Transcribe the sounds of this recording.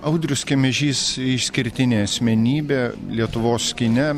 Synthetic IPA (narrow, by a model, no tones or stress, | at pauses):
ɐʊd̪ʲɾʲʊskʲemʲɛʒʲiːsɪʃsʲkʲɪɾʲt̪ʲɪnʲeːɐsʲmʲɛnʲiːbʲeːlʲiɛt̪ʊʋoːskʲɪnʲɛ